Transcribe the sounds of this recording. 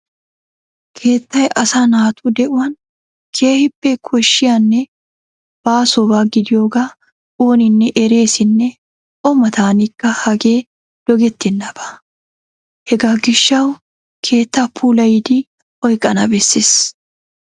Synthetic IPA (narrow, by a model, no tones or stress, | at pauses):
kʰe̞ːt̪ːɐjʔɐsaːnaːt̪ʰuːd̪ɛʔʊwɐn | kʰe̞ːhɪbːɛkʰɔʃːɪjanːɛ | b̥aːsɔbaːɡɪd̪ɪjo̞ːɡa | oːnɪnːɛʔɛɾe̞ːsɪnːɛ | ɔmɐt̪aːnɪkːɐhɐɡe̞ː | d̪̥ɔɡɛt̪ːɪnːɐb̥ɐ̥ | hɛɡaːɡɪʃːɐw | kʰe̞ːt̪ːapʰuːlɐjɪd̪i | ɔjkʼːɐnɐbɛsːɪs